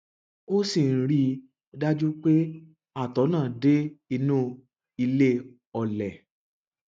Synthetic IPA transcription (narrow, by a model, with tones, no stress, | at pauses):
o˦si˨n̩˨ɾi˧ | da˦d͡ʒu˦k͡pe˦ | a˦˨tɔ˨˦nãː˦˨de˦i˧nũ˦ | i˧le˦ | ɔ˨lɛ˨